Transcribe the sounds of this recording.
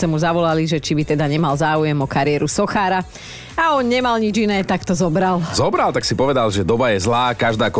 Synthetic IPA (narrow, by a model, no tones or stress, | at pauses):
ɛmuzaʋɔlaliʒɛt͡ʃibit̪ɛd̪aɲɛmalzaːujɛmɔkaɾɪɛːɾusɔxaːɾa | aɔnɲɛmalɲid͡ʒinɛːt̪akt̪ɔzɔbɾalzɔbɾalˠt̪aksipɔʋɛd̪alʒɛd̪ɔbajɛzlaːkaʒd̪aːk